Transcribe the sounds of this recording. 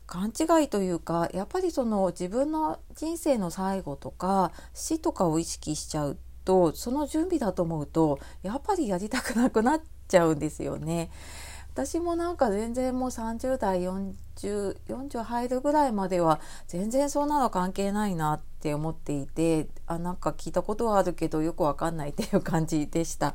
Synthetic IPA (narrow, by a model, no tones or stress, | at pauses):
kʰãɲt͡ɕiɡait̪o̞jɯ̟ːkajʔapːaɾʲiso̞no̞d͡ʑibɯ̟̃nːo̞ | ʑĩñse̞ːno̞saiɡo̞t̪o̞ka | ɕit̪o̞kao̞iɕi̥kʲiɕi̥t͡ɕaɯ̟ | t̪o̞so̞no̞ʑɨ̃mbʲid̪at̪o̞ːmo̞ɯ̟t̪o̞ | japːaɾʲijaɾʲit̪akɯ̟nakɯ̟na | t͡ɕaɯ̟̃nd̪e̞sɨ̰jo̞̰ne̞ | βat̪aɕimo̞nãŋkazẽ̞nd͡zẽ̞mmo̞ːsãɲd͡ʑɨːd̪aijõɲ | d͡ʑɨːjõ̞ɲ̟d͡ʑɨːhaiɾɯ̟ɡɯ̟ɾaimad̪e̞βa | z̥ẽ̞nd͡zẽ̞ɰ̃so̞ːnːãnokãŋke̞ːnainat̪ːe̞o̞mo̞t̪ːe̞it̪e̞ | anãŋkakʲiːt̪ako̞t̪o̞βaːɾɯ̟ke̞d̪o̞jo̞kɯ̟βakãnːait̪ːejɯ̟kãɲ̟d͡ʑid̪̥e̞ɕi̥t̪a